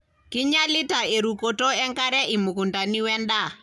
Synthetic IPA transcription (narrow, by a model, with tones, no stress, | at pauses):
ki˦ɲa˦li˦ta˨e˨ɾu˨ko˨to˦ɛ˦ŋka˦ɾɛ˦ʔi˨mu˨ku˨nda˨ni˦wɛ˦nda˦˨